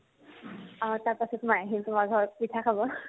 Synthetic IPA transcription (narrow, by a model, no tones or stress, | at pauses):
at̪jaɾpasut̪majɦint̪umaɡʱɔpit̪ʰakʰabɔ